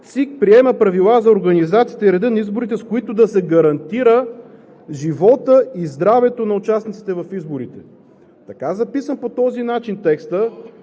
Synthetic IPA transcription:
t̪sik̚pɾiɛmɐpɾɐvilˠazɐoɾɡɐnizat̪siːt̪ɛiɾɛd̪ɤnɐizboɾit̪ɛskoit̪ʊd̪ɐsɛɡɐɾɐnt̪iɾə | ʒivɔt̪əizd̪ɾavɛt̪onɐʊt͡ʃasnit̪si̥t̪ɛvɐfizboɾit̪ɛ̰ | t̪ɐkazɐpisəmpot̪ɔzinat͡ʃint̪ɛkst̪ə

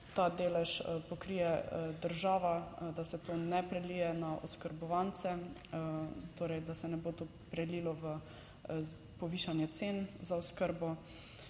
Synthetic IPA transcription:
t̪aːd̪eːlɛʃpɔkɾijɛd̪əɾʒaːʋad̪asɛt̪oːnɛpɾɛlijɛnaɔ̰skəɾbɔʋant̪sɛ | t̪oːɾɛjd̪asɛnɛboːt̪o | pɾɛlilɔʋə | pɔʋiːʃanjɛt̪senzaɔskəɾbɔ

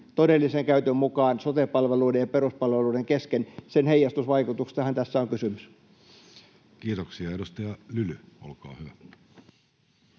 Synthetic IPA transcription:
t̪odelːiseŋkæyt̪ømmukɑːnsot̪epɑlʋeluːdejjɑperuspɑlʋeluːeŋkeskensenhejːˑɑst̪usʋɑikut̪ukst̪ɑhɑnt̪æsːæoŋkysymys | kiːt̪oksiɑedust̪ɑjɑlylyolkɑ̰ːhyʋæ

